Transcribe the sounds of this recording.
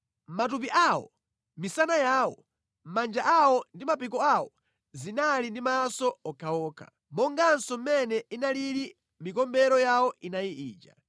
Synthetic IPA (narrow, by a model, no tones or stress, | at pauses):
m̩matup̬iʔawɔ̰ | misanajaːwɔ | m̩mand͡ʒaʔawɔndimapikɔawɔ | zinalindimasɔɔkʰaɔːkʰa̰ | mɔŋɡansɔmɛnɛinaliɾi | mikɔmbɛɾɔjawɔʔinajiʔiːt͡ʃa̰